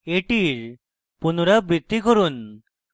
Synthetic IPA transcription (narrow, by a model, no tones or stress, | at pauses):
eʈiɾ | punoɾabɾid̪ʱːikoɾun